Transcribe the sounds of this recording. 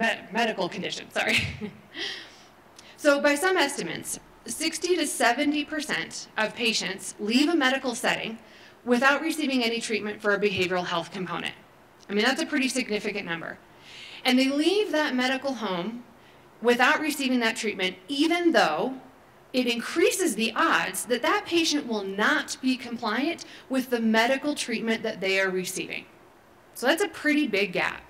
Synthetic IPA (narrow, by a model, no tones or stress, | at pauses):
ɛmɛɾɨkl̩ˠkʰɨ̃n̩dɪʃɨ̰̃nsɑ̰ɹi | soʊbaɪsʌ̃mɛstɨmɨ̰̃nts | ɪkstiɾɨsɛvɨ̃ntipʰə˞sɛ̰̃ntʔʌv̥pʰeɪʃɨ̃ntslivəmɛɾɨkl̩ˠsɛɾɪ̰̃ŋ | wɪθaʊt̚ɹɨsivɪ̃ŋɛnitʰɹ̥it̚mɨ̃ntfə˞ɨbɨɦeɪvə˞l̩ˠɦɛlˠθkʰm̩pʰõʊ̃nɨ̰̃nt̚ | aɪmĩnðætsɨpʰɹ̥ɪɾisɨɡ̚nɪfɨkɨ̃nːʌ̃mbə̰˞ | ɨ̃nðeɪlivðət̚mɛɾɨkl̩ˠɦõʊ̃m | wɪθaʊt̚ɹisivɪ̃ŋðɨtʰɹ̥it̚mɨ̃nt̚ivɨ̃nðoʊ | ɪɾɨ̃nkʰɹ̥isɨzðiʔɑdzðɨt̪̚ðɨt̚pʰeɪʃɨ̃nʔwɪlˠnət̚b̥ikʰɨ̃m̩pʰl̥aɪɨ̃nʔwɨðɨmɛɾɨkl̩ˠtʰɹ̥it̚mɨ̃nðɨt̪̚ðeɪə˞ɹɨsḭvɪ̰̃ŋ | soʊðætsɨpʰɹ̥ɪɾibɪɡæ̰p̚